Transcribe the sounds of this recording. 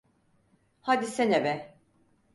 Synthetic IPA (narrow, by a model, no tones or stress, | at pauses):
had̪isenebɛ